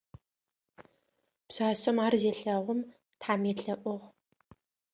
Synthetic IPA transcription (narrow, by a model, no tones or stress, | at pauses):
pɕaːsɐmaːrzeːɬɐʁʷʊm | tʰħaːmeːɬɐʔʷʊʁ